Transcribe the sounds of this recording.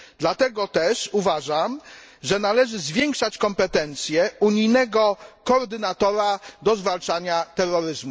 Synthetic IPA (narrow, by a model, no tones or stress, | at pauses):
d̪lat̪ɛɡɔt̪ɛʂuvaʐamʐɛnalɛʐɘzvʲjɛŋkʂat͡ɕkɔmpɛt̪ɛnt̪sʲjɛuɲijnɛɡɔkɔːɾd̪ɘnat̪ɔɾad̪ɔzvalt͡ʂaɲat̪ɛrːɔɾɘzmu